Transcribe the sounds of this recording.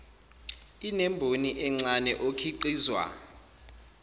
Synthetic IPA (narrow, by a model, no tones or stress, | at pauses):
inɛmbʱoniʔɛŋ͡ǀanɛʔokʰiǃiːzwa̰